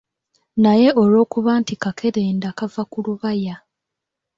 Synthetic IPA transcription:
naje̞ʔo̞lo̞ːkuβaːntikakʰe̞ɾeːndakavakuluβaja

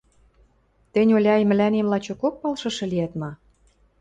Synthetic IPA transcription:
t̪ĕnʲolʲɑjmɘ̆lænemlɑt͡ɕokok̚pɑlʃɤ̆ʃɤ̆liæt̪mɑ

